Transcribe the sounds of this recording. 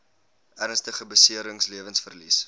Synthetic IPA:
ærnstəχəbəsiəɾəŋsliəvənsfərlḭs

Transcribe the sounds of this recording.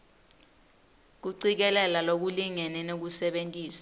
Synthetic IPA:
k̬uǀik̬ɛlɛlalok̬uliŋɛnɛnok̬usɛɓentʼiːsḁ

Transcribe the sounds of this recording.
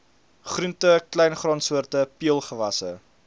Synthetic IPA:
χruntəklɛjnχrɔnsuərtəpiəlˠχəvɐsə̰

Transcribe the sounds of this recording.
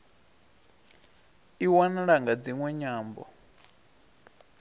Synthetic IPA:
iwanaɺaŋɡad͡ziŋwɛɲaːmbɔ̰

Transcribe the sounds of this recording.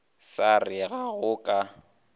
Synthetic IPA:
sarɪɣaɣʊkʼa

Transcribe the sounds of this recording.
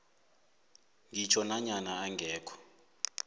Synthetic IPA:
ŋʱit͡ʃʰɔnaɲanaaŋɡɛːkʰɔ̥

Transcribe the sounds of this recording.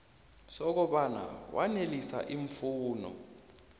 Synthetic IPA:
sɔk̬ɔɓana̰wa̰nelisa̰ʔiɱfuːnɔ̰

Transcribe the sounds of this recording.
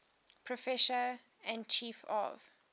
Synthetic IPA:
pʰɹɔfɛʃə | æ̃nt͡ʃʰiːfɔ̰v̥

